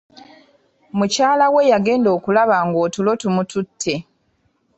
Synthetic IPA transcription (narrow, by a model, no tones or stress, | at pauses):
mucaːlawe̞jaɡe̞ːndo̞ːkulaβaŋɡo̞ːtulo̞tumututʰːe̞